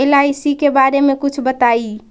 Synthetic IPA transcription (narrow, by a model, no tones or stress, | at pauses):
elajsikebaɾemekut͡ʃʰbət̪ai